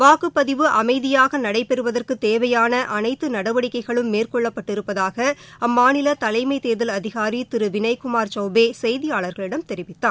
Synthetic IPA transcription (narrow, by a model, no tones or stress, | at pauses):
ʋaːkɯpːɐðɪʋɯʔɐmɐɪðɪjaːɣɐnɐɽɐɪpɛɾɯʋɐðɐrkɯt̪ːeːʋɐjaːnɐʔɐnɐɪt̪ːɯnɐɽɐʋɐɽɪkːɐɪɣɐɭɯmːeːrkɔɭːɐpːɐʈːɪɾɯpːɐðaːɣɐɐmːaːnɪlɐt̪ɐlɐɪmɐɪt̪eːðɪlɐðɪɣaːɾit̪ɪɾɯʋɪnɐɪkʊmaːɾt͡ʃɐʊbeːsɛjðɪjaːɭɐɾɣɐɭɪɽɐmt̪ɛɾɪʋɪt̪ːaː